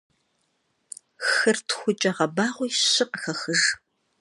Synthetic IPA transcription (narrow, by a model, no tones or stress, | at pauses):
xɐrtʰxʷʊt͡ʃʼɐʁɐbaːʁʷʊjɕɨqxɐxɨʒ